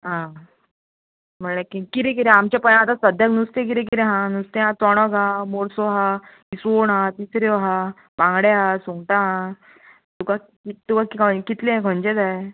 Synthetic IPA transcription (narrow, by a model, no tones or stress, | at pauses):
ɦã | m̤əɳlẽkĩkiɾẽk̬iɾeamt͡ɕjapənãat̪asəd̪ʱjaknust̪ẽk̬iɾẽk̬iɾẽɦãnust̪ẽɦãt͡sɔɽ̃ɔɡʱamoɾsɔɦa | isoɳɦãt̪isɾeʋɦa | pãŋɡɽeɦasuŋʈaɦã | t̪uka | it̪ukakikɔkit̪lẽkʰənd͡ʑed͡zae